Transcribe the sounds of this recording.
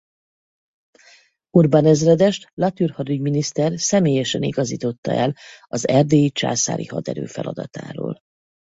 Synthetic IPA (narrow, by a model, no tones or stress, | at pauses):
urbanɛzrɛd̪ɛʃt̪lɒt̪yrhɒd̪yɟminist̪ɛrsɛmeːjɛʃɛniɡɒzḭːt̪o̞t̪ːɒʔɛlɒzɛrd̪eːit͡ʃa̰ːsa̰ːɾḭhɒd̪ɛɾø̰ːfɛlɒd̪ɒt̪a̰ːɾo̰ːl